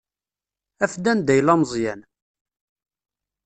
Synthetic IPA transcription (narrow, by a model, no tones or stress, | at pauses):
æfd̪ænd̪æjlɑmzˤjæn